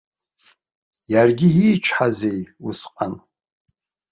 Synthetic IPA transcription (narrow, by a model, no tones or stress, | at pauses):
jarɡʲɪiːt͡ʃʷʰħazejusqʼan